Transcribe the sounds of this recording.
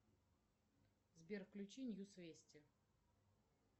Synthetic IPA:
zbʲerfklʲʊt͡ɕinʲjusvʲesʲtʲɪ

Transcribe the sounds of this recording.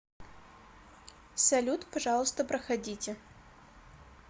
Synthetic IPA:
sɐlʲut̪pɐʐɑlˠəst̪əpɾəxɐdʲitʲɪ

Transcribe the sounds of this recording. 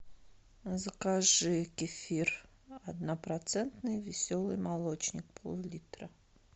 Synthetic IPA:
zəkaʐɨkʲɪfʲir | ɐd̪napɾat̪sɛnt̪nɨjvʲɪsʲolˠɨjmalˠot͡ɕnʲɪk̚pʰəlˠulʲit̪ɾə

